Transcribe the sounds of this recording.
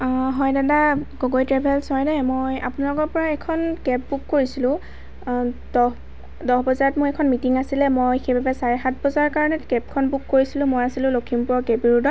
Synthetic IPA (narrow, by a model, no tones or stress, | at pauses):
ɦɔjdadaɡoɡojtɹɛbʱɛlsɔjnɛmoja̰pʊnalɔkɔɹpɔɹaɛkʰɔnkɛp̚bukːoɹisilʊ̃ | dɔɦ | dɔɦbɔzaɹɔtmʊɹɛkʰɔnmitiŋasilɛmojxejbabɛsaɹɛxat̚ʰbɔzaɹkaɹɔnɛkɛp̚kʰɔnbukːoɹisilʊ̃mojasilʊ̃lokʰimpʊɹɔɡɛbiɹudɔt̚